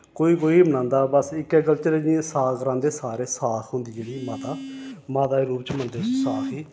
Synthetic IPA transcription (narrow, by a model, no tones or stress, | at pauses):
koːiːkoːiːbənãːnd̪aːbəsɪkɛːkəlt͡ʃəɾeːd͡ʒĩẽsaːkʰɾãːnd̪eːsaːɾeːsaːkʰɦʊnd̪iːd͡ʒeːɽiːmaːt̪aːmaːt̪aːeɾuːpt͡ʃmənd̪esaːkʰiː